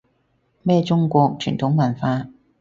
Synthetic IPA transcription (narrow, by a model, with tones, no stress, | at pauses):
mɛː˥t͡sʊ˥ŋkʷɔː˧k̚t͡ʃʰy̰˨˩nt̪ʰʊ˨˥ŋmɐ˨˩nfaː˧